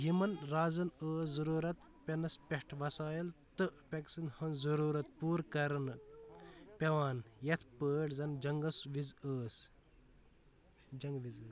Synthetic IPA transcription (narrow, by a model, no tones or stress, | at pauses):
jimɐnɾaːzɐnəːszɐɾuːɾɐt̪ | pʲɐnɐspʲeʈʰʋɐsaːjilt̪ɨʔpʲɐksɨnhɐnzɐɾuːɾɐt̪̚puːɾkɐɾɐn | pʲɐʋaːnjɐt̪ʰpəːʈzɐnd͡ʒɐŋɡɐsʋizəːs | d͡ʒɐŋɡʋizː